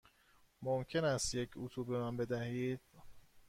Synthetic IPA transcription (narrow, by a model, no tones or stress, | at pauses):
momcʰe̞næst̪jecʰut̪ʰubemænbe̞d̪æhiːd̪̥̚